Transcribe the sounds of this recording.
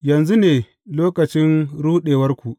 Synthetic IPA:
jɐ˨nzu˦neː˨ | loː˦kɐ˨t͡ʃɪ˦nɾuː˦ɗeː˨wɐ˦rkʷu˨ʔ

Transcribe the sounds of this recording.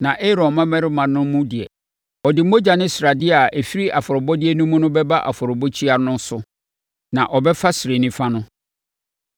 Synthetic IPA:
nã˨ʔe˦ɾɔ̃˨mã˦mɛ̃˦ɾɪ˦mã˨nʊ̃˦mũ˦dɪ˨ɛ̰˨ | ɔ˨dɪ˨mo˦d͡ʑa˨nɪ̃˦sɾa˨dɪ˦a˨ɛ˨fi˦ɾi˦ʔa˨fɔ˨ɾʊ˨bɔ˦dɪ˦ɛ˦nũ˦mũ˦nʊ̃˦bɛ˦ba˦ʔa̰˨fʊ˨ɾʊ˨bɔ˦t͡ɕʰi˦a˨nʊ̃˦sʊ˦ | nã˨ʔɔ˨bɛ˦fa˦sɪ˨ɾe˨nɪ̃˦fa˦nʊ̃˦

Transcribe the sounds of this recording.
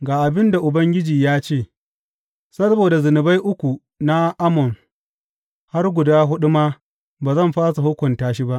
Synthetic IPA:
ɡaː˨ʔa˨bɪ˦nda˨ʔʊ˨bɐ˦ŋɡʲɪ˦d͡ʒiː˨jaː˦t͡ʃeː˦˨ | sɐ˦boː˨da˨zʊ˨nɪ˨ba˦jʔʊ˦kʷu˨ | na˦ʔa˦mɔ˨n | ha˦rɡʷʊ˨daː˦ɦʊ˦ɗʊ˦maː˦ | baː˨zɐ˦˨mɸaː˦sa˨hʊ˦kʷʊ˨ntaː˦ʃ̬i˦ba˦ʔ

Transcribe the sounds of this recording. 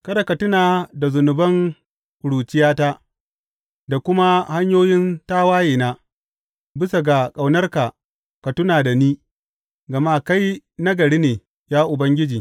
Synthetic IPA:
kɐ˦da˨kɐ˨tʊ˦naː˨da˨zʊ˨nʊ˨bɐ˦ŋ | ʊ˨ɽuː˨t͡ʃɪ˦jaː˦ta˦ʔ | da˨kʷʊ˦ma˦ha˦ɲjoː˦jɪ˦ntaː˦waː˦jeː˨naː˦ | bɪ˦sa˨ɡa˨kʼa˨wnɐ˦rka˨ | kɐ˨tʊ˦naː˨da˨niː˦ | ɡɐ˨ma˦ka˦jna˦ɡɐ˨ɽiː˦neː˨ | jaː˦ʔʊ˨bɐ˦ŋɡʲɪ˦d͡ʒiː˨

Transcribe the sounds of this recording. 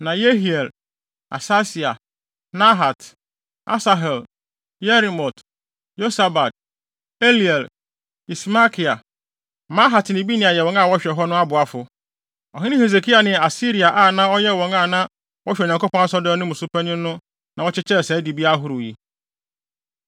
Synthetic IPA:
nã˨je˦ɦi˨ɛ˨l | a̰˨sa˦si˨a˨ | nã˦ɦa˨t | a̰˦sa˨ɦɛ˨l | jɛ˦ɾi˨mɔ˨t | jo˦sa˨ba˨t̚ | e˦li˨ɛ˨l | i˨sma˦kʰi˨a˨ | mã˦ɦa˨tnɪ̃˨bi˦nɪ̃˨a˨jɛ˨wɔ̃˨ŋa˦˨wɔ˦ɕᶣɛ˨ɦɔ˦nʊ̃˦a˦bʊ˨a˦fʊ˨ | ɔ˨ɦɪ̃˦nɪ̃˦he˨z̬e˨kʰi˦a˨nɪ̃˨a˨si˦ɾi˨a˨ʔa˦˨nã˦ɔ˦jɛ˦wɔ̃˨ŋa˦˨nã˦ | wɔ˦ɕᶣɛ˨ɲ˨ã˨ko˦pɔ̃˦a˦sɔ˦dɛ˦nʊ̃˦mũ˨su˦pʰa˦nɪ̃˦nʊ̃˦ | nã˨wɔ˦t͡ɕɪ˦t͡ɕʰɛ˦˨sɛ˨˦di˨bi˦a˦ɦʊ˦ɾʊ˨ji˨

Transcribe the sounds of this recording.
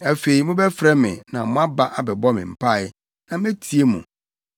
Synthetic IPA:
æ˨fe˨i˨mʊ̃˦bɛ˦fɾɛ˦mɪ̰̃˨nã˨mʊ̃˦a˦ba˦ʔa˨bɛ˨bɔ˦mɪ̃˨m̩˨pʰa˦˨ɪ˦ | nã˨mɛ̃˦tʰi˨˦e˦mṵ̃˨

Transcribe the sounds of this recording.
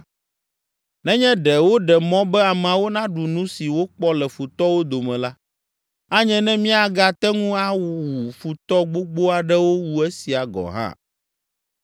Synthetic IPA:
nɛ̃˦ɲɛ̃˦ɖɛ˨wo˦ɖɛ˨mɔ̃˦bɛ˦a˨m˨ã˨wo˦nã˦ɖu˨nũ˦si˨wo˦k͡pɔ˦lɛ˨fu˨t̪ɔ˦wo˦d̪o˨mɛ̃˨la˦ | a˦ɲɛ̃˦nɛ̃˦mĩ˦a˨ɡa˨t̪ɛ˦ŋũ˦a˦wu˨fu˨t̪ɔ˦ɡ͡bo˦ɡ͡bo˦a˨ɖɛ˦wo˦wu˨ɛ˦si˨a˨ɡɔ̰˨ɦã̰˦˨

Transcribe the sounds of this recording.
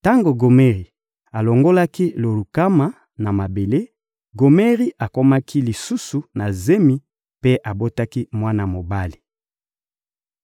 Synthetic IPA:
ta˦ŋɡo˨ɡo˨me˦ʁi˨ | a˨lo˨ŋɡo˦la˦ki˦lo˨lu˨ka˦ma˦ | na˨ma˨be˨le˦ | ɡo˨me˦ʁi˦ʔa˨ko˦ma˦kʰi˦li˨su˦su˨na˨ze˦mi˦ | pe˦ʔa˨bo˦ta˦ki˦mwa˦na˨mo˨ba˦li˨

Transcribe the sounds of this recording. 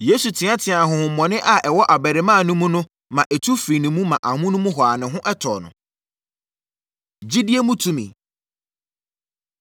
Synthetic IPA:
je˦su˨tʰɪ̃˨˦ã˦tʰɪ̃˨a˨ɦʊ̃˨hʊ̃˨m̩˨mːɔ̃˨nɪ̃˦ʔa˨ʔɛ˨wɔ˦ʔa˨bæ˨ɾɪ˨mãː˦˨nʊ̃˦mũ˦nʊ̃˦ | mã˨ʔɛ˨tʰu˦fiː˨nʊ̃˨mũ˦mã˨ʔa˨mʊ̃˦nʊ̃˦mũ˦ɦɔ˨a˨nɪ̃˨ɦʊ̃˦ʔɛ˦tʰɔ̰˨nʊ̰̃˨ | d͡ʑi˦dɪ˦e˦mũ˦tʰũ˦mḭ̃˨

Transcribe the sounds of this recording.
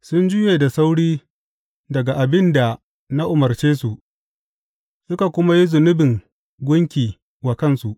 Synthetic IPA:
sʊ˦nd͡ʒʊ˦jeː˨da˨sa˦wɽiː˦ | dɐ˨ɡa˨ʔa˨bɪ˦nda˨ | na˦ʔʊ˨mɐ˨rt͡ʃeː˦su˨ʔ | sʊ˦ka˨kʷʊ˦ma˦ji˦zʊ˨nʊ˦bɪ˨ŋ | ɡʷʊ˦ŋkʲiː˨ | wa˨kɐ˦nsu˨ʔ

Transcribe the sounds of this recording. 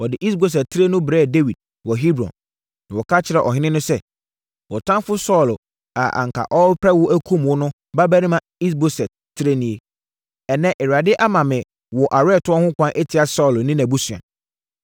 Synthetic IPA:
wɔ˨dɪ˨ʔi˦s̬bo˨s̬ɛ˨tʰːɪ˦ɾe˦nʊ̃˦bɾɛː˦˨de˦wi˨d̚ | wɔ˨ɦi˦bɾɔ̰̃˨nː | ã˨wɔ˨kʰa˦t͡ɕʰɪ˨ɾɛ˨ʔɔ̰˨ɦɪ̃˦nɪ̃˦nʊ̃˦sɛ˦ | wɔ˨tʰã˦mfʊ˦sɔ˦˨l | a̰˨ʔa̰˨ŋ˨kʰa̰˨ʔɔ˦pʰɾɛ˦wʊ˦ʔæ˦kʰũ˦mwʊ˦nʊ̃˦ | ba˦bæ˦ɾĩ˦mã˨i˦s̬bo˦sɛ˨t | tʰːɪ˦ɾe˦nĩ˦e˦ | ɛ˨nɛ̃˦ʔɛ˨ɾa˨dɪ˦ʔa˦mã˨mɪ̃˨ | wɔ˨ʔa˨ɾɛː˦˨tʰʊ˦ɔ˦hʊ̃˦kʷʰã˦ʔe˦tʰɪ˨a˨sɔ˦˨lnɪ̃˦næ̃˨bu˦su˨ã̰˨

